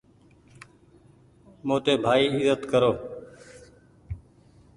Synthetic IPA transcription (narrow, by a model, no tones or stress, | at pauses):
mõːt̪eːbʱaːiːɪzət̪kəɾoː